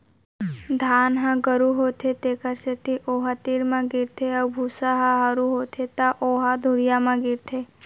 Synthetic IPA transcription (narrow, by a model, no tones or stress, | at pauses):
d̪ʱaːnɦãɡəɾuɦoːt̪ʰet̪eːkəɾset̪ʰiʔoːɦat̪iɾmãɡɪɾt̪ʰeɐbʱuːsaɦaɦaɾuɦoːt̪ʰet̪aʔoːɦad̪ʱʊɾijamãɡɪɾt̪ʰeː